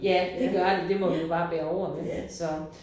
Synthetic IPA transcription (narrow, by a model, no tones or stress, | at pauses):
jæd̥e̝ɡ̥ɶɐl̥id̥e̝mɒ̽ʋid̥ub̥ɑ̈ːb̥ɛːɐɒʊ̰ɐmesɒ̽